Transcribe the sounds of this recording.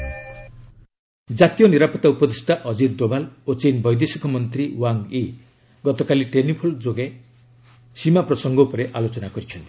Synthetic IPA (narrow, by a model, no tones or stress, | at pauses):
d͡ʒat̪ijɔniɾapɔt̪aupɔd̪esʈaʔɔd͡ʒid̪ɖobalot͡ʃenbɔjd̪esikʰɔmɔnt̪ɾiwaŋi | ɡɔt̪ɔkaliʈenipʰold͡ʒoɡe | simapɾɔsɔŋɡɔupɔɾeʔalot͡ʃɔnakɔɾit͡ʃʰɔnt̪ʰi̥